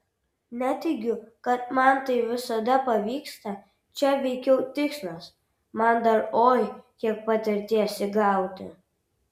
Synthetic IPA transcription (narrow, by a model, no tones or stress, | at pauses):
nʲæt̪ʲɪɡʲʊkɐt̪̚mɐnt̪ɐɪʋʲɪsɐd̪ɐpɐʋʲiːkst̪ɐ | t͡ʃʲɛʋʲɛɪkʲɛʊt̪ʲɪkslˠɐs | mɐnd̪ɐɾoːjkʲiɛk̚pɐt̪ʲɪɾʲt̪ʲeːsʲɪɡɑˑʊt̪ʲɪ̰